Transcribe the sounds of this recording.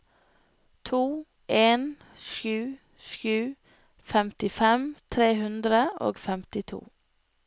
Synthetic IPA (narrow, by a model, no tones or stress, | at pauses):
t̪ʰuː | ʔeːn | ʃʉː | ʃʉː | fɛmt̪ɪfɛmt̪ʰɾeːhʉnd̪ɾəʔo̰ːɡfɛmt̪ɪt̪ʰṵː